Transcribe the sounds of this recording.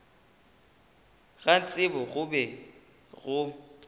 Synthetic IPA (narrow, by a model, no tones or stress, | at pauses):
ɣan̩t͡sʼɪbɔɣʊbɛ | ɣʊ